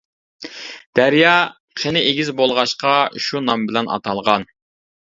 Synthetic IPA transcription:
d̪̥æɾjɑ | qʰenɪʔeɡʲizbolˠʁɑʃqɑʃunɑmbɪlɛnʔɑ̰t̪ʰɑlˠʁɑn

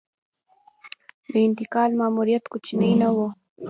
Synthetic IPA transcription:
d̪əɪnt̪ɪkɑlmaːmuɾijat̪kut͡ʃinəjnawo

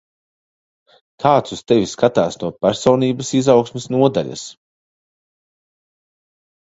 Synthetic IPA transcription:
kʰaːt̪sust̪ɛvʲiskat̪aːsnuɔpæɾsɔːniːbɐsizawksmɪsnuɔd̪aʎʲɐ̰s

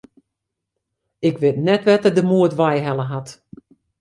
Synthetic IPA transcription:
ɪkʋɪtnɛtʋɛtədəmuətʋajɦɛlˠəɦat

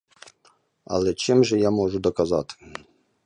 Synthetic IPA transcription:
ɐ̰lˠɛt͡ʃɪmʒɛjamɔʐʊd̪ɔkɐzɑt̪ɪ̥

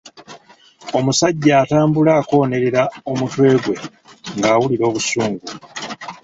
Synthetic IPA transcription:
o̞musaɟːaːtaːmbulaːko̞ːne̞ɾe̞ɾaomutwe̞ːɡwe̞ | ŋɡaːwuliɾo̞ːβusuːŋɡu

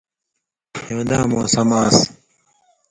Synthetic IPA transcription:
õːd̪aːmõːsɐmaːs

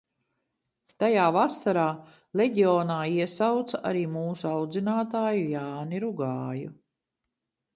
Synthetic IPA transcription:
t̪ajaːvasaɾaː | leɟiɔːnaːiɛsawt̪saʔaɾiːmuːsuawd̪zinaːt̪aːjujaːniɾuɡaːju

